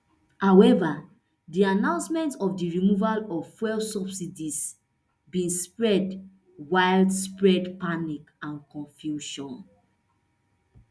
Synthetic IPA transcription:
hawɛva | dianãʊ̃nsmɛ̃ntɔfdiɹimuvalɔvfwɛlsɔbsidis | bĩnspɹɛd | waɪldspɹɛdpanik | ãnkɔ̃nfjuʃɔ̃n

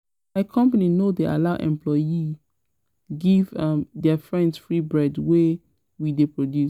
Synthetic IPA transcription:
maɪkʰɔ̃mpaninodeʔa̰laʊʔɛ̰̃mplɔi | ɡivmdɛfɹɛ̃ndsfɹibɹɛdwe | widepɹodju

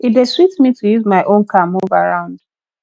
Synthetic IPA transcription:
itdeswitmitʰujuzmaɪʔõnkʰamuvaɹãʊ̃nd̥

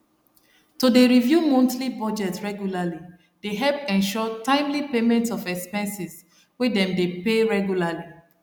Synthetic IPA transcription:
tudeɹivjumɔ̃ntlibɔd͡ʒɛtɹɛɡjulali | d̥eɦɛlpɛ̃nʃɔtãɪ̃mlipemɛ̃ntsɔvɛkspɛ̃nsis | wedɛ̃mdepeɹɛɡjulali

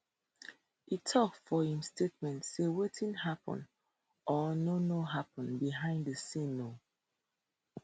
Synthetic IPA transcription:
itʰɔkfɔhĩmstʰet̚mɛ̃ntsewetʰĩnɦapɔ̰̃n | ʔɔnonoɦapɔ̃nbiɦãɪ̃nddəsino

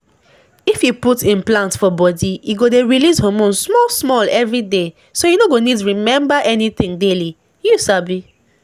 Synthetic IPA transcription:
ifjuputĩnplãntfɔbɔdiiɡodeɹilishomũnsmɔlsmɔlɛvɹide | sojunoɡonitɹimɛ̃mbaʔɛnit̪ɪ̃ŋdeli | jusabi

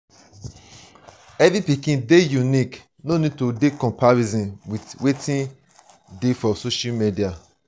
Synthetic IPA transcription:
ɛvipikĩndejunik | nonid̚todekɔ̃mpaɹizɔ̃nwitwetĩn | defɔsoʃamedia

